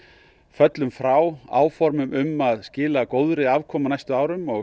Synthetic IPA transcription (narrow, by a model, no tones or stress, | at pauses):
fœt̪lʏmfɾawa̰ːwfɔɾmʏmʏmaðscɪːlakoːwðɾɪavkʰɔːmanajst̪ʏaːwɾʏmɔɣ